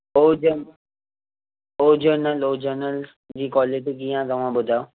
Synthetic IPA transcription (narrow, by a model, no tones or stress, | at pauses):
oːd͡ʒən | oːd͡ʑəɾnəloːd͡ʑəɾnəl | d͡ʑiːkɔːleʈkijãt̪ɐʋ̤ãbʊd̪ʱajo